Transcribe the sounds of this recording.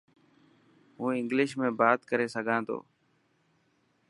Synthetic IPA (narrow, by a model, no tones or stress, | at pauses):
ɦũːɪ̃ŋɡlɪʃmẽːbaːt̪kəɾeːsəɡʱãːt̪o̰ː